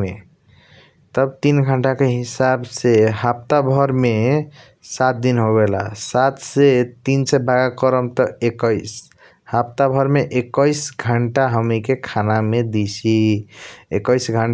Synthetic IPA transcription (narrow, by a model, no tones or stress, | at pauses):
e | t̪əbt̪inɡʱəɳʈakeɦisabseɦap̚t̪abʱəɾme | sat̪̚d̪inɦoɡela̰sat̪set̪insebʱaɡakəɾəmt̪ɔekəɪs | hapt̪abʱəɾmeʔekəjsɡʱəɳʈaɦəmikekʰanamed̪it͡ʃʰi | ekəjsɡʱəɳ